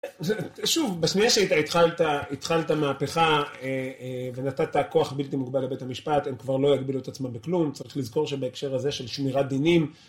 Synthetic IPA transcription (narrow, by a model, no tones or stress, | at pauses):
ʃuvbaʃniaʃeait̪ait̪χalt̪ait̪χaltamaːpe̞χaeve̞nat̪at̪ako̞aχbilt̪imukbalebe̞thamiʃpat̪emkvaʁlo̞jaɡbiluet̪at͡smambeklumt͡saʁiχlizko̞ʁʃe̞baekʃe̞ʁaze̞ʃe̞lʃmiʁad̪inim